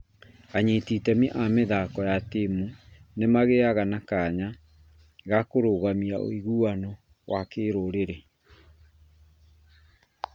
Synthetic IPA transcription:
aɲetitɛmiʔameðakɔjatemunemaɣeaɣanakaɲa | ɣakoɾoːɣamiao̰iɣuːanɔ | wʔakeːɾoɾeɾe

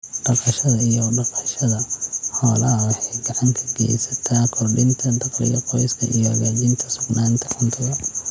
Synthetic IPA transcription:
ɖɐqɑʃɐðɐijɔɖɐqɑʃɐðɐhɔːlɐɦɐwɑħɑjɡɑʕɑŋkʰɐ̥ɡɛ̰ːjsɐ̥t̪ʰaːkʰɔrɖɪnt̪ʰɐnt̪ʰɐqɪ̰ɣɐqɔjskʰɐ̰ʔḭjɔhɐɣaːt͡ʃɪnt̪ʰɐsʊɡnaːnt̪ʰɐħʊnt̪ʰʊðɐ

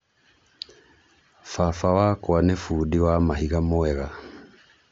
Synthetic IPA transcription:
fafawaːkwanefudiwamaɦiɣamoɛɣa

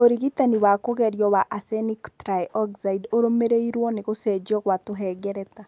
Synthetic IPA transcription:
oɾiɣitaniβakoɣɛɾjɔβaʔasɛniktɾajʔɔɡzaidoɾomeɾeiɾwɔneɣosɛd͡ʒɔɣwatoɦɛɡɛɾɛta

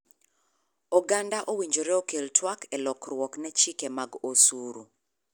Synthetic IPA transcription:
ɔɡandaʔowiɲd͡ʒoɾɛokeltʰwakʰɛlɔkrwɔknɛt͡ʃikemaɡosuɾu

